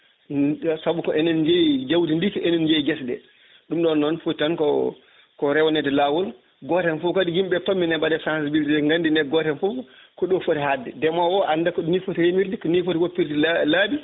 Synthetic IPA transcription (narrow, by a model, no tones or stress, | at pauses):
sabukɔʔɛnɛnd͡ʒejd͡ʒawdindisiɛnɛnd͡ʒejɡɛsdɛ̰ | ɗumɗɔnːɔnfutankɔ | kɔɾɛwɔnɛdɛlawul | ɡɔtɛnfukadihimɓɛtɔmːinɛbadɛsansibiltɛɛŋɡandinɛɡɔtɛnfukɔɗɔfotɛɦadːɛ̰dɛmɔwɔʔandakɔnifotihemiɾdikɔnifotiwopːiɾtilladi